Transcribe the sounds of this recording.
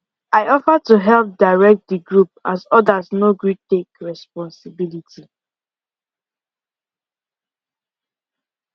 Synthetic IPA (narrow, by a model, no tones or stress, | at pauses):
aɪɔfətuɦɛlp̚daɪɹɛk̚t̚diɡɹup̚azɔdaznoɡɹitekɹɛspɔ̃nsɪbilitʰi